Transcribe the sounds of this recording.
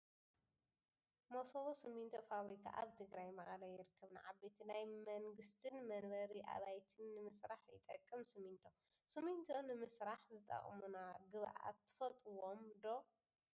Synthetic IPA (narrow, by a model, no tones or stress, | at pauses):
mosoβosɨmːint̪ʰofaβɾikʰa̰ʔaβt̪ʰɨɡɾajmɐxʼɐlajɪɾɨkʰːɐβna̰ʕabet̪ʰinajmɐŋɡɨst̪ʰɨnmɐnbɐɾiʔa̰βajt̪ʰɨnːɨmɨsɾaħjɨ̰t̪ʼɐ̰kʼːɨmsɨmːint̪ʰo | sɨmːint̪ʰonɨmɨsɾaħzɨt̪ʼɐ̰χʼmunaɡɨβʔa̰t̪ʰːɨ̥fɐt̪ʼuwomd̪o̞